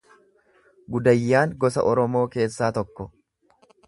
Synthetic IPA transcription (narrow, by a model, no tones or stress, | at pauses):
ɡʊd̪ɐjːaːŋɡɔsɐ̰ʔɔɾɔmoːke̞ːsːaːt̪ɔkːɔ